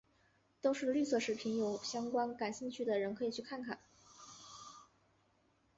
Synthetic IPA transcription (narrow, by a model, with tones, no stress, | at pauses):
t̪o˥ʊʂɻ̩˥˧ly˥˧sɤ˥˩ʂɻ̩˧˥˩pʰi˧˥njo˧˥ʊɕjɑ˥ŋkwa˥nka˨˩nɕi˥˧ŋt͡ɕʰy˥˩d̪ə˩ɻə˧˥nkʰɤ˧˥i˨˩t͡ɕʰy˥˧kʰa˥˩nkʰa̰˨˩˦